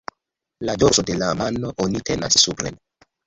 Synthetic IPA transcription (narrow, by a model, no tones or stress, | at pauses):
lado̞ɾso̞de̞lamanoʔonite̞na̰sːupɾḛn